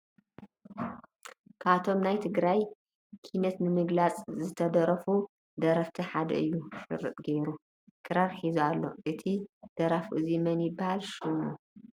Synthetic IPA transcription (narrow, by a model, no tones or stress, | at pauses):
kʰaβt̪ʰo̞mnajt̪ʰɨɡɾaj | kʰinɐt̪nɨmɨɡlat͡sʼzɨt̪ʰɐd̪ɐɾɐfu | d̪ɐɾɐft̪ʰɐħad̪ɐ̰ʔɨjːuʃɨ̰ɾːɨ̰t̪ʼɡejɾu | kʰɨɾaɾħizualːo̞̰ʔɨt̪ʰid̪̥ɐɾafuʔɨzimɐnjɪbːahalʃumu